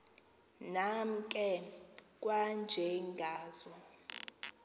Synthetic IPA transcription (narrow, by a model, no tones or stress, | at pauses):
nam̩kʼɛk̬ʼwand͡ʒʱɛŋɡʱaːz̥ɔ